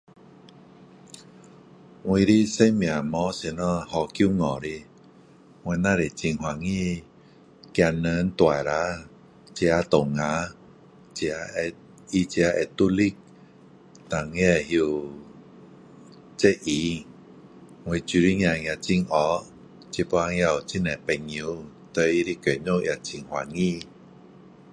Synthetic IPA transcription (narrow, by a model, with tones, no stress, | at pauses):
ŋwĩ˧ɾi˦se˦mj̃ã˨mɔ̃˨˧˦se˧nɔ̃˧˦hɔ˧kju˦ŋɔ˨ɾi˧ | ŋwẽ˧nã˦ɾe˨t͡ɕi˧ŋɦwa˨ŋĩ˦ | kja˧nə˧˦n̩˦t̪wa˨jɾa˦ | t͡ɕja˧˦t̪o˨ŋŋã˨˧˦ | t͡ɕja˧ | i˧t͡ɕi˧a˧ʔɛ˧˨t̪u˦li˦k̚ | t̪a˨ŋẽ˦˧ɦi˧ | t͡se˦ʔi˨˧˦ | ŋwe˧t͡ɕu˧ɾi˦ɲ˧ã˧ŋj̃a˧t͡ɕi˧ŋɔ˨˧˦ | t͡ɕi˧pɔ˧a˧ŋ˧a˧˨u˨t͡ɕi˦˧˨nɛ˨pɛ˧ŋi˧˦ | t̪ə˧˦i˧ɾi˦˧ke˨ɲõ˦˧˨ʔja˧˨t͡ɕi˧ŋhwa˨ŋĩ˦˧˨